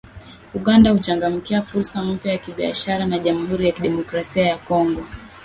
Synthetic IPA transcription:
uɠandahut͡ʃaŋɡam̩kiafuɾsam̩pjajakiɓia̰ʃaɾanaʄamuhuɾijakiɗɛmɔkɾasiajakɔŋɡɔ

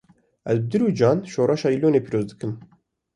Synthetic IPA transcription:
ɛzbɨd̪ɨɾuːd͡ʒɑːnʃoːɾɑʃɑːiloːneːpʰiɾoːzd̪ɨkɨm

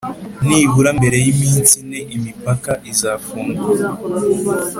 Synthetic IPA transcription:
niβuɾambe̞ɾe̞jimiːnsineimipakaʔizaːfuːŋɡua

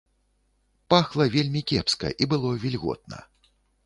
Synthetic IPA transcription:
paxlˠɐvʲelʲmʲikʲɛpskɐ̰ʔibɨlˠɔvʲilʲɣɔ̰t̪̚nɐ̰

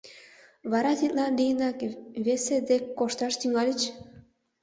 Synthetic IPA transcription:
βɑɾɑt̪ʲit̪lɑnlʲijənɑkβesed̪ekːoʃt̪ɑʃt̪yŋɑlʲit͡ɕ

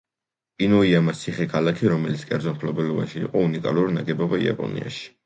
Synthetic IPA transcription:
inɔiamast̪sʰiχɛkʰalakʰiɾɔmɛlit̪skʼɛ̰ɾd̪zɔnpʰlɔbɛlɔva̰nʃḭːqʼɔunikʼaluɾinaɡɛbɔbaḭa̰pʼɔ̰nḭa̰ʃi̥

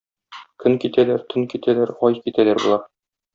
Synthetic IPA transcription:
kʰɵŋkit̪ælæɾt̪ʰɵŋkit̪ʰælæɾɒjkit̪ælæɾbulˠɑɾ

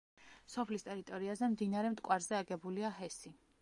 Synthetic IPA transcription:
sɔpʰlist̪ʼɛɾit̪ʼɔɾiazɛmd̪inaɾɛmt̪ʼkʼwaɾzɛaɡɛbuliaɦɛsi

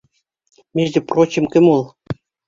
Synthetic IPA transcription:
mʲeʒd̪ʲĕprot͡ɕĕmkɘ̆molˠ

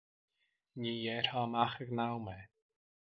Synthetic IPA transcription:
ɲiːjɛɾhamaxəɡnawmɛ

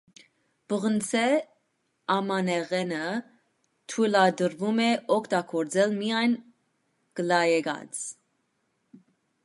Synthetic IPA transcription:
b̥əʁənt͡sʰɛ | ɑmɑnɛʁɛnə | t̪ʰujlɑd̪əɾvumɛɔkʰt̪ɑɡʰɔɾd͡zɛlmijɑjn | ɡ̥əlɑjɛɡɑ̰t͡s

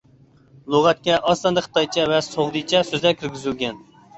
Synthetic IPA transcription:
lˠoʁɑt̪̚kʲɛʔɑst̪ɑnd̪əχə̥t̪ʰɑjt͡ʃʰɛvɛsoʁd̪ɨjt͡ʃʰɛsøzlɛɾkʲʰyɾɡʲyzylɡʲɛn

